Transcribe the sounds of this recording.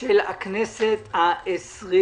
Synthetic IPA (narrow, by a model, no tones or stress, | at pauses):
elakneset̪haʔesʁi